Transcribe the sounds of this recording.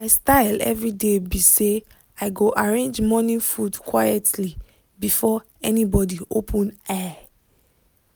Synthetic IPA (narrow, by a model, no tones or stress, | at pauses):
aɪstaɪlɛ̰vɹidebise | aɪɡoʔaɹẽnd͡ʒmɔnĩfudkʰwajɛtʰli | bifɔ | ɛnibɔdiʔopʰə̃nɛ